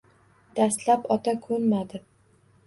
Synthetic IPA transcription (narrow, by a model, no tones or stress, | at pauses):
d̪̥ast̪lapɒt̪ʰakʰɵɾmad̪ɪ